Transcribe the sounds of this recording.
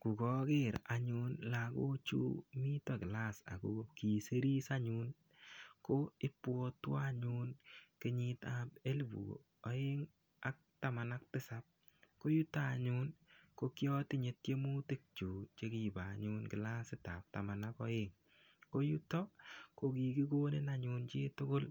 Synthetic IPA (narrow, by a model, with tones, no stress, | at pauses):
ku˨kɔ˦kɪ˦ɾa˦ɲu˦nlako̰˦t͡ʃṵ˦mi˦tɔkɪ˨la˦sa̰˨ko˨ki˨se˦ɾi˦sa˦ɲun | ko˦ɪ˦pwɔ˦twaɲunkɪ˦ɲɪtap̚e˦lbṵ˨ | ɔ˦ɪ˦ŋ | a˦k̚tama˨nak̚tɪ˦sap̚ | ko˦ju˦ta˨ɲu˦nko˦kjɔ˦tɪ˦ɲe˨t̚t͡ʃe˦mu˦ti˦k̚t͡ʃu˨t͡ʃe˦ki˨baɲunkɪ˨la˦sɪta̰˨p̚tamanakɔ˦eŋ | ko˦ju˦tɔ˦ko˦ki˨ki˦kone˦naɲunt͡ʃeː˦tʊ˦kʊ˦l